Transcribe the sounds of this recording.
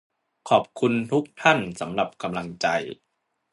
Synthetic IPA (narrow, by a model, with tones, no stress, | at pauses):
kʰɔː˨˩p̚kʰu˧nt̪ʰu˦˥k̚t̪ʰa˥˩nsa˩˦mla˨˩p̚ka˧mla˧ŋt͡ɕa̰˧j